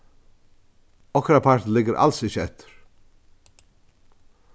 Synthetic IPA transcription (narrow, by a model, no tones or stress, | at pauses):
ɔkɾapʰɑʈn̩lɪɡəɾʔa̰lsɪçəɛt̪ʰə̥ɾ̥